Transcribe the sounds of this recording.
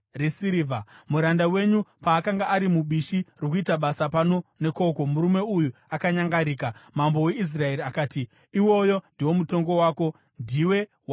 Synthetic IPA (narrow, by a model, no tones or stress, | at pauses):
resiɾivamuɾandawe̞ɲupaːkaŋɡaʔːɾimuɓiʃirok̬uitaɓasapano̞ne̞ko̞ko̞muɾume̞ujuakaɲaŋɡaɾiːkamambo̞we̞is̬rae̞ɾiakaːti | iwo̞jo̞ndiwo̞muto̞ŋɡo̞waːko̞ | ndiwe̞ | wa